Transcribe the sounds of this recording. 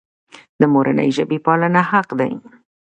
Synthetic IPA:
d̪əmoɾʔa̰nə̰jʒəbepɑlənahaqd̪a̰j

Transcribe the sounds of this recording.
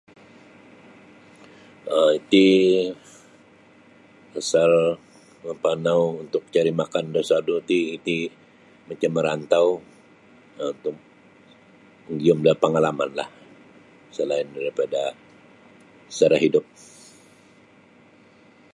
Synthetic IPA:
əit̪i | asal | məmpanawunt̪ʊk̚t͡ʃaɾimakandosadut̪iːt̪i | mat͡ʃamːəɾant̪aw | unt̪ʊk̚ | ŋɡiʊmdalpəŋalamanla̰h | səlaɪndaɾipada | ə̥t͡ʃaɾaɦidʊp̚

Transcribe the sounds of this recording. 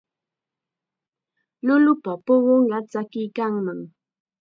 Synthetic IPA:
nolupapʊwʊŋat͡sakikaŋməŋ

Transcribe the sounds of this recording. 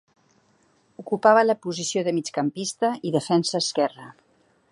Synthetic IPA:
ukupaβələpuzisioðəmit͡ʃkəmpist̪əiðəfɛnsəːskɛrə

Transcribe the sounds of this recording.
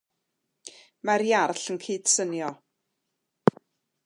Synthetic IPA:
maɾjarɬənkʰiːd̥sənjɔ

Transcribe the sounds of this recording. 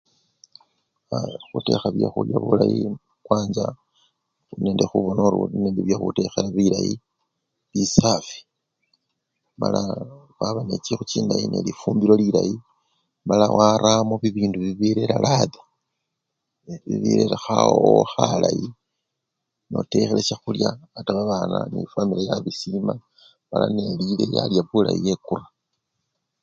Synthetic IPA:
axute̞̰xaβjaxuljaβulaji | kwaːɲd͡ʒa | une̞ːndexuβonoɾṵineːndeβjaxute̞xeɾaβiɾaji | lisafi̥ | mala | waβanet͡ʃixut͡ʃiːndajinelifuːmbiɾoliɾaji | malawʔaɾamoβiβiːnduβiβiɾeɾalaða | βḭβḭɾeɾaxaooxalaji | no̞te̞xele̞ʃaxuljaataβaβaːnanifamilajaβisima | mala̰ne̞lile̞ja̰ljaβula̰jije̞kura

